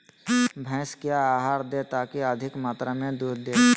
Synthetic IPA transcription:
bʱɛ̃ːskijaaːɦaːɾd̪et̪aːkiəd̪ʱɪkmaːt̪ɾamẽd̪uːɾd̪eː

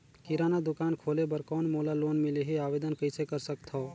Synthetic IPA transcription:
kiɾaːnad̪ʊkaːnkʰoːlebəɾkɔːnmolaloːnmileɦiaːbed̪ənkəɪsekəɾsəkt̪ʰɔ

